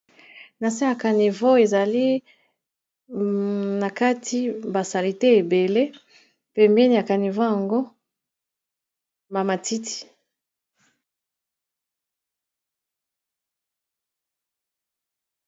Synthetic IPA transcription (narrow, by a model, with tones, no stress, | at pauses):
na˨si˦ja˨ka˨ni˨vo˦e˨za˨li˦ | na˨ka˦tʰi˦ba˨sa˨li˨te˦e˨be˨le˦ | pɛ˨mbɛ˦ni˨ja˨ka˨ni˨vo˦ja˨ŋɡo˦ | ma˨ma˨ti˦tʰi̥˨